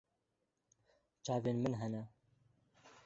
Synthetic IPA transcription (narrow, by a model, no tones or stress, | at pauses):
t͡ʃaːveːnmɨnɦɛnɛ